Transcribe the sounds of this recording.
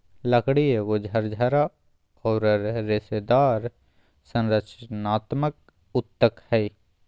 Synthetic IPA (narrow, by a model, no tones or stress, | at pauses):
ləkɽieɡod͡ʒʱəɾd͡ʒʱaɾa | ɔːɾɾɪsed̪aːɾ | sə̃nɾət͡ʃənaːt̪mək̚ | ʊt̪ːəkhɛi